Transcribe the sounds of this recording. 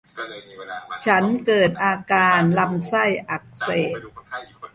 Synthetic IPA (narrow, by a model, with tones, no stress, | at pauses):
t͡ɕʰa˦˥nkɤː˨˩t̪̚ʔaː˧kaː˧nla˧msa˥˩jʔa˨˩k̚seː˨˩t̪̚